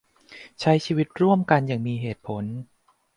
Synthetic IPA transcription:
t͡ɕʰa˦˥jt͡ɕʰiː˧wi˦˥t̪̚ɾu˥˩əmka˧nja˨˩ŋmiː˧ɦeː˨˩t̪̚pʰo˩˦n

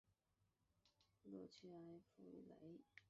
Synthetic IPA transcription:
lɔ̰˥˧˩t͡ɕʰy˥˩a˧˥ɪfu˥˩ḭ˩lḛ˧˥ɪ

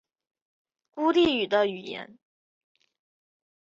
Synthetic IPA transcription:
ku˥li˥˩y˨˩d̪ə˦y˨˩jɛ̰˧˥n

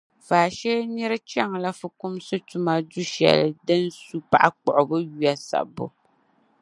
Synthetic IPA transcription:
faː˨ʃɛ˦nɨ˦ɾɨ˦t͡ʃɛ˦˨ŋla˦fʊ˨kʊ˦msɨ˦tu˦ma˦du˦ʃɛ̰˨lɨ̰˨dɨ˦nsu˦pa̰˨ʔa˦k͡pɔ˨ʔʊ˨bɨ˦ju˦a˦sa̰˨bʊ̰˨

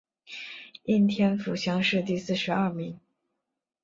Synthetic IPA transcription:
i˥˩nt̪ʰjɛ˥nfu˨˩ɕjɑ˥ŋʂɻ̩˥˧t̪i˥˧sɹ̩˥˩ʂɻ̩˧˥ɐ˥˩mi˧˥ŋ

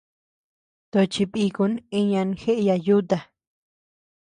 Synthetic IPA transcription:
t̪o˧t͡ʃi˧βi˧ku˧˦nẽ˧ɲã˧n˧xe˦ʔja˧ju˦t̪a˧˨

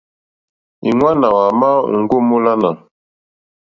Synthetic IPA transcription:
i˨ŋwa˦na˨wa˨ma˦ŋ̩˨˦ɡu˦mo˦la˦na˨

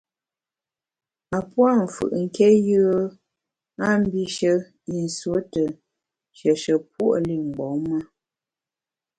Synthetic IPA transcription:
a˨pwa˦˨m̩˨fɯ̰˨ʔŋ̩˦˨kɛ˦jə˦ | a˦m˦bi˦ʃə˦ | i˨n̩˨swo˨˦tə˨ | ʃə˨ʃə˨p̚u˦ʔli˦˨ŋ͡m̩˨ɡ͡bɔ˨˦ma˦

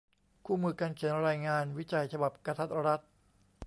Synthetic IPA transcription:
kʰuː˥˩mɯː˧ka˧nkʰi˩˦nɾaː˧jŋaː˧nwi˦˥t͡ɕa˧jt͡ɕʰa˧ba˨˩p̚ka˧t̪ʰa˦˥t̪̚ɾa˦˥t̪̚

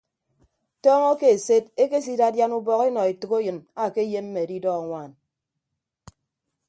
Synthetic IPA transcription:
tɔː˦ŋɔ˦ke˦e˨se˦te˦ke˦s̬i˦da˦dja˦nu˦bɔ˨ki˦nɔ˨i˨tɨ˨ko˦jɨ˨na˦˨ke˦je˦m̩˦me˨di˦dɔ˦˨a˨ŋʷaː˨n

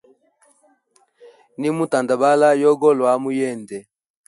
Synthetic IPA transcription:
ni˦mu˦ta˨nda˨ba˦la˦jɔ˦ɡɔ˦lwa˨˦mu˦jɛ˦˨ndɛ˨

